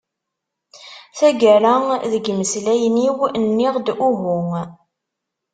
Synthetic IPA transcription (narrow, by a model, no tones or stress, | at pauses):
θæɡælaðəɡməslæjniwnːɪʁd̪ʊɦʊŋ